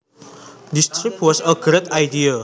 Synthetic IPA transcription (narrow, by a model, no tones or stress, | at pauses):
dist̪ɾipwɔsəɡɾet̪ajdia